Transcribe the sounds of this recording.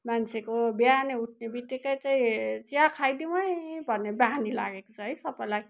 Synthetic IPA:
mansʰekobjaneuʈ̚ʰnebit̪ːikʌjt͡saĩt͡siakʰajd̪iw̃ʌjbʱʌnːeband̪ila̰ɡekot͡sʰʌɦʌjsʌpʌlaj

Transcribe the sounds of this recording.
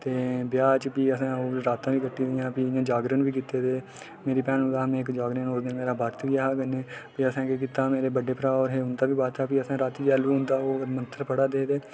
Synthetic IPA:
t̪eːbjaːt͡ʃpiːəsãːoːɾaːt̪ãːbiːkəʈːĩːdɪjãːpijãːd͡ʒaːɡɾənbiːkɪt̪ːeːd̪eː | meːɾiːpɛ̃ːnʊ̃aːɦəmẽːkd͡ʒaːɡɾənoːsd̪enmeːɾaːbaːɾt̪ʋiːaɦaːɡənẽːpiːəsãːkik̬ɪt̪ːaːmeːɾeːbəɖeːpɾaːɔːɾɦeːɦʊnd̪aːbiːbaːɾt̪aːpiːəsãːɾaːt̪ʋiaːluːʊ̃nd̪aːoːmənt̪əɾpəɽaːd̪eːd̪eː

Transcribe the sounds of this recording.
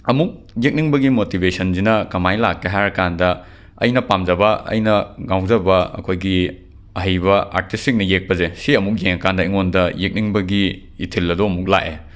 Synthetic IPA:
ɐmuk̚ | jek̚niŋbɐɡimotibesɐnzinɐkɐmajlakːeɦaɾɐkandɐ | ɐ̰jnɐpamd͡ʒɐbɐɐ̰jnɐɡawzɐbɐɐ̰kʰojɡi | ɐɦɐjβɐʔa̰ɾtʰistik̚nɐjek̚pɐzesiɐmuk̚jeŋɐkandɐiŋondɐjek̚niŋbɐɡiː | tʰilːɐdoɐmuk̚la̰k̚e

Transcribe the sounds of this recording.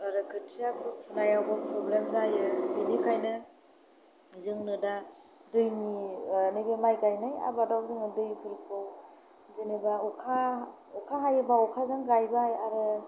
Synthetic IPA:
aɾɯkʰɯtʰijapʰupʰunajawbapʰɾɔblemzajɯbɯjnikʰajnɯ | zɯŋnɯda | dɯjninɯjbemajɡajnaja̰badawzɯŋɯdɯjkʰɯɾkʰɯw | zenebaukʰaukʰaɦajɯbaɔkʰazaŋɡajbajaɾɯ

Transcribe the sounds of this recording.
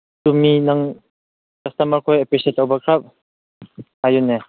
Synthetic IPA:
tuminaŋ | kɐstɐmɐɾkʰɔjepesetawbakʰɾap̚ | hajune

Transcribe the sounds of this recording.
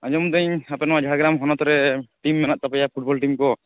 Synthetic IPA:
aɲd͡ʒɔmd̪əɲapɛnɔwad͡ʒʱaaɡɾamɦɔnɔt̪ɔɾɛʈimːɛnaʔt̪apɛjapʰuʈ̚bɔlʈimkɔ

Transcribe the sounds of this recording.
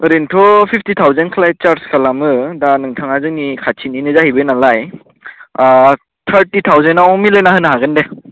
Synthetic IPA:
ɾentʰɔpʰipʰtitʰawzenkʰlajt͡ʃaɾskʰalamɯdanɯŋtʰaŋazɯŋnikʰat͡ʃʰininɯzahijbɯjnalaj | tʰəɾtit̪ʰawzenawmilɯjnaɦɯnaɦaɡɯnde

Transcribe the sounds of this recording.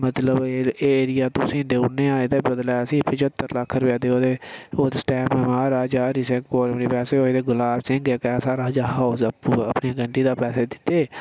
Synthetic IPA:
mət̪ləbeeːeːɾɪjaːt̪ʊsĩːd̪eːunẽːãːed̪eːbəd̪lɛːsĩːpʰɪt͡ʃət̪ːəɾləkʰːɾəʋaːd̪eːoːd̪eːoːd̪esʈɛːməːmaːɾaːd͡ʒaːɾɪsẽkoːɾəmneːpɛːseːoːeːd̪eːɡʊlaːbsɪ̃ŋɡeːkɛːsaːɾaːd͡ʒaːɦaosəpːəpneːɡəɳʈiːd̪aːpɛːseːd̪ɪt̪ːeː

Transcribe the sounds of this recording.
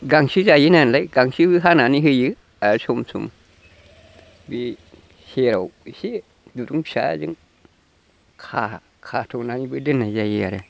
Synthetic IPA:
ɡaŋʃid͡ʒajinanlajɡaŋʃibɨɦananiɦɨjɨ | aɾsomsṵm | bi | heɾahi | duɾuʃa̰d͡ʒɨ̰ŋ | kʰa | kʰatʰonanibɨdɨnad͡ʒajiaɾe

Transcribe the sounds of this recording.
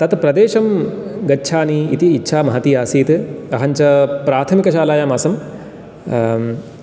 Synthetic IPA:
t̪ɐt̪pɾɐd̪eːʃɐm | ɡɐtːʃʰaːniit̪iːtːʃʰaːmɐɦɐt̪iːaːsiːt̪ɐɦɐɲt͡ʃɐpɾaːt̪ʰɐmikɐʃaːlaːjaːmaːsɐm

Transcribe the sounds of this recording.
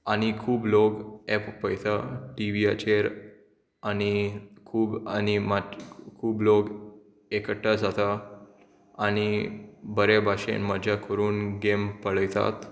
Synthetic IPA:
añikʰuːbloɡɛppəjt̪aʈiʋia̰t͡ɕeɾ | añikʰuːbañimakʰuːbloɡ | ekəʈːad͡zat̪a | añibəɾebʱaɕḛnməd͡ʑʱakəɾuːnɡempəɭəjt̪a̰t̪

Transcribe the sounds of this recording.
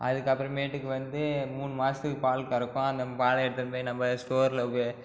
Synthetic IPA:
ɐðɯkːɐpːɯɾɐ̃meːʈːɯkːɯʋɐnd̪ɯmuːnmaːsɯpaːlkːɪɾɯkːʊ̃ɐnd̪ɐpaːlɐɛɽɯt̪ːɐnpoːinɐmbɐsʈoːɾlɐkːe

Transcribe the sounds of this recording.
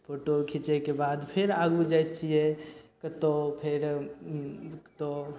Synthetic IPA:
pʰoʈokʰit͡ʃekebad̪pʰeɾaɡud͡ʒajt̪t͡ʃʰijekət̪opʰeɾ | kt̪o

